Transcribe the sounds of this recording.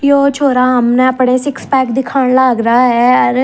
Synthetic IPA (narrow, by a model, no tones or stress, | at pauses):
joːt͡ʃʰoːɾaːɦəmnɛ̃əpɽeːsɪkspɛːkd̪ɪkʰaːɳlaːɡɾaːɦɛːəɾ